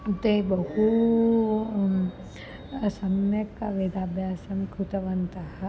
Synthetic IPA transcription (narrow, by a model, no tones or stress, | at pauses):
t̪ebɐhu | sɐmnɐkːaʋed̪aːbʱjaːsɐmkʰut̪ɐʋɐnt̪ɐɦɐ